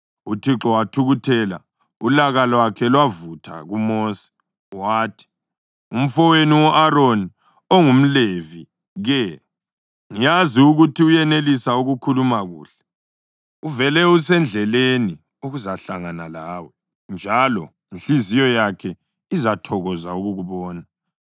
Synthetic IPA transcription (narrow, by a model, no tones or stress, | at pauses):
utʰiǁɔwatʰuɣutʰɛla̰ | ulaɣalɔwakʰɛlwavutʰa̰ɣumɔːsɛ̥ | waːtʰi̥ | um̩fɔweniwɔʔaɾoni | oŋum̩levi | ɣɛ | ŋijaziuɣutʰiujɛnelisauɣukʰulumaɣṵːɬɛ̥ | uvɛlɛus̬ɛnd͡ɮʱɛleni | uɣuzaɬaŋanalaːwɛ | nd͡ʒʱalɔ | inɬizijɔjakʰɛ | izatʰɔɣɔzauɣuɣuβɔːna